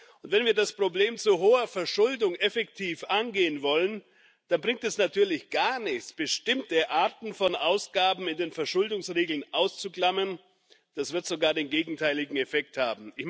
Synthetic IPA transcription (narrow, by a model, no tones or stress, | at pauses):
ʔʊntvɛnviːɐdaspʁ̥obleːmt͡suɦoːɐfɛɐʃʊldʊŋɛfɛktʰiːfʔanɡeːənvɔlən | d̥anbʁɪŋk̚tɛsnatʰyːɐlɪçɡ̥aɐnɪçt͡sb̥əʃtɪmtəʔaɐtn̩fɔnʔaʊsɡ̥aːbm̩ɪndeːnfɛɐʃʊldʊŋsʁeːɡl̩nʔaʊst͡suklamən | d̥asv̥ɪɐtz̥oɡaːɐdeːnɡeːɡŋ̩tʰaɪlɪɡŋ̩ɛfɛk̚thaːbm̩ɪç